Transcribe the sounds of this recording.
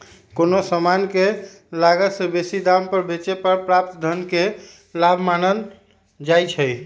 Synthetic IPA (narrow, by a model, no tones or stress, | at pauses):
konosəmanke | laɡət̪sẽbesid̪ampəɾbet͡ʃepəɾpɾap̚t̪d̪ʱənke | labʱmanən | d͡ʒajt͡ʃʰəj